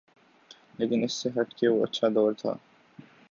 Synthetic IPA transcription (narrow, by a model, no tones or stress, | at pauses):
leːkɪnɪsːeɦɐʈkeʋoɐ̰tːʃʰad̪ɔːɾt̪ʰa̰ː